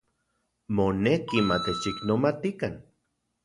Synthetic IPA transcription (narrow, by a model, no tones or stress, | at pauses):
monekimat̪et͡ʃiknomat̪ikan